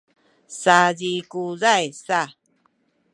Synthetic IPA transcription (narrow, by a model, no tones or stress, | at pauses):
sazikuzajsa